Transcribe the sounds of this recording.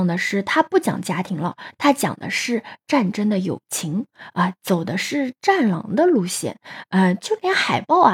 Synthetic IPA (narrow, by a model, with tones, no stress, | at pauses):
ŋd̪ə˩ʂɻ̩˥˩t̪ʰa˥pu˥˩t͡ɕjɑ̰˨˩ŋt͡ɕja˥t̪ʰi˧˥ŋlə˧t̪ʰa˥t͡ɕjɑ̰˨˩ŋd̪ə̰˦ʂɻ̩˥˧ʈ͡ʂa˥˩nʈ͡ʂə˥nd̪ə˨jo̰˨˩ʊt͡ɕʰi˧˥ŋə˥˧t͡so˨˩ʊd̪ə˦ʂɻ̩˥˧ʈ͡ʂa˥˩nlɑ̰˧˥ŋd̪ə˧lu˥˧ɕjɛ̰˥˩nə˧t͡ɕjo˥˩ʊljɛ˧˥nxa˨˩ɪpɑ˥˩ʊ˩